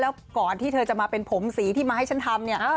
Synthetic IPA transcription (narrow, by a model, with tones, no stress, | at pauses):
lɛː˦˥wkɔː˨˩nt̪ʰiː˥˩t̪ʰɤː˧t͡ɕa˨˩maː˧pe˧npʰo˩˦msiː˩˦t̪ʰiː˥˩maː˧ha˥˩jt͡ɕʰa˦˥nt̪ʰa˧mni˥˩ɐʔ